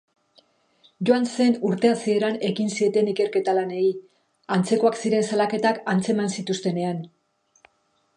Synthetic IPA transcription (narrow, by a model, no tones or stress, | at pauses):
ʝo̞anse̞nuɾt̪e̞asie̞ɾane̞ɣinsie̞t̪e̞nike̞ɾke̞t̪alane̞i | ant͡se̞ko̞aksiɾe̞nsalake̞t̪akant͡se̞emansit̪ust̪e̞ne̞an